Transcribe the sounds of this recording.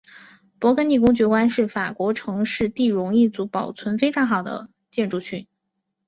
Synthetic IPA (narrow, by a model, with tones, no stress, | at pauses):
pwɔ˧˥kʰə˧˥ni˥˩k̬ʊ˥ŋt͡ɕɥɛ˧˥kwa˥nʂɻ̩˥˩fa˨˩kwɔ˧˥ʈ͡ʂʰɤ˧˥ŋʂɻ̩˥˧t̪i˥˩ɻʊ˧˥ŋi˥˩t͡su˧˥pɑ˨˩ʊt͡sʰwə˧˥nfe˥ɪʈ͡ʂʰɑ˧˥ŋxɑ˨˩ʊd̪ə̰˦ | t͡ɕjɛ˥˧nʈ͡ʂu˥˧ɕʰy˥˩n